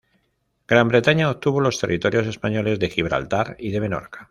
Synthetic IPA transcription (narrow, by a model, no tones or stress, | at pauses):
ɡ̥ɾambɾe̞t̪aɲaop̚t̪uβo̞lo̞st̪e̞rʔit̪o̞ɾjo̞s̬e̞spaɲo̞le̞zðe̞xiβɾa̰lt̪aɾiðe̞mẽ̞no̞̰ɾkḁ